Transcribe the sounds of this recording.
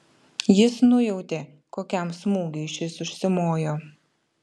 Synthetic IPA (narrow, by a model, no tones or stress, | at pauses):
jɪsnʊjɛʊt̪ʲeː | koːkʲɛmsmuːɡʲeɪʃʲɪsʊʃʲsʲɪmoːjoː